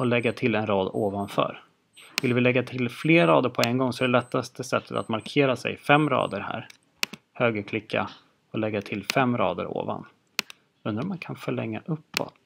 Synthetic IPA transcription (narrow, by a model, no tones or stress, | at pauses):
ɔlɛɡːat̪ʰɪlɛnɾɑːd̪oːvanfœ̰ɾ | vɪlvɪlɛɡːat̪ʰɪlfleːɾɑːd̪əɾpʰɔɛnɡɔŋːsɔɛd̪ɛlɛt̪ʰːast̪əsɛt̪ːət̪a̰t̪maɾkʰeːɾasɛ̰jfɛmːɾɑ̰ːd̪əɾhæ̰ːɾ | høːɡəɾkʰlɪkʰːa̰ | ɔlɛɡːat̪ʰɪlfɛmːɾɑ̰ːd̪ə̰ɾo̰ːva̰n | ɵnːɾamankʰanfœɭɛ̰ŋːaʔɵpːɔ̰t̪